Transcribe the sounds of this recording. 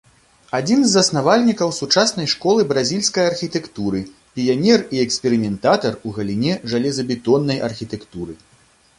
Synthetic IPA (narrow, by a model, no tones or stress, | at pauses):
ad͡zʲinzːɐsnavalʲnʲikɐwsut͡ʂasnɐjʂkɔlˠɨbɾazʲilʲsʲkɐjɐrxʲit̪ɛkt̪uɾɨ | pʲijanʲɛriɛkspʲɛɾɨmʲɛnt̪at̪ɐruɣɐlʲinʲɛʐalʲɛzɐbʲit̪ɔnːɐjʔɐ̰rxʲit̪ɛkt̪uɾɨ